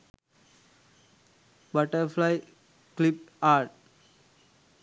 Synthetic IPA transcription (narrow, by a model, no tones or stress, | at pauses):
bʌʈəɾflaɪ | klɪp̚aːɾʈ̚